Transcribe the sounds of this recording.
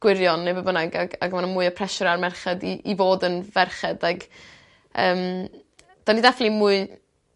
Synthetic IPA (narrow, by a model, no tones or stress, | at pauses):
ɡ̥wɪɾjɔnːebəbənaɡaɡaɡəmanamʊːɨəpʰrɛʃɔɾarmɛrχɛdiivoːdənvɛrχɛdaɡ | əːm | d̥anidaflimʊɨ